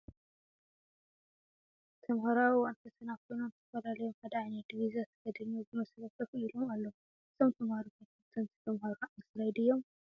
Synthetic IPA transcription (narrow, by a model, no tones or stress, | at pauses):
t̪ʰɐmhɐɾawiwant̪ʰɐsɐnakʰo̞jnonɨt̪ʰɐfɐlalɐjomhad̪ɐanid̪iβizat̪ʰɐɡɐd̪ɐnozɨmɐslɐk̪ɐfuilomalːɐ | ɨsʰomt̪ʰɐmhaɾukojt̪ɐt̪ʰɐnt̪ʰi̥t̪ʰɐmhɐɾanɨsɨlajd̪ɨjːo̞m